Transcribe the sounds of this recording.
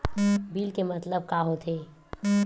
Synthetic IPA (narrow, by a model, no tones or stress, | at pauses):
biːlkemət̪ləb̚kaɦot̪ʰe